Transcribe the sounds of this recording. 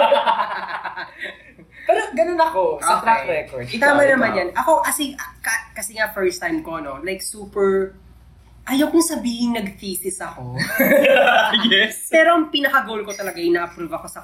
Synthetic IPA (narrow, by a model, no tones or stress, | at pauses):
pɛɾoɡɐnonɐkoat̪ɾaɾɛkoɹd̪t̪aːmɐnɐmanjɐnʔɐko̞ʔɐsiɐkɐkɐsɛŋafɛɹst̪ajmko̞no̞lajksuːpɛɹ | ʔɐjɐwkʊŋsɐbiːhɪŋnɐɡ̚fiːsɪsɐko̞ | jɛspɛːɾoɐŋpinɐkɐɡowlkot̪ɐlɐɡaʔɪnɐʔɐpɾuːvɐkosɐ